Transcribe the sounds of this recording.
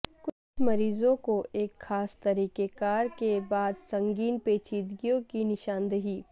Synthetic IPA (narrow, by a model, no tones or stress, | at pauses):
kʊt͡ʃʰmɐɾiːzõkoʔeːkxaːst̪ɐɾiːkekaːɾkebaːd̪sɐ̃ŋɡiːnpeːt͡ʃiːd̪ɡijõkinɪʃaːnd̪əɦiː